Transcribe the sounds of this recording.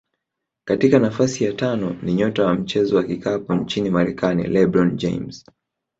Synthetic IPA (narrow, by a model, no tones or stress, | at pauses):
katikanafasijatanɔniɲɔtawam̩t͡ʃɛzɔwakikapɔɲt͡ʃinimaɾɛkanḭlɛbɾɔnd͡ʒɛ̰ms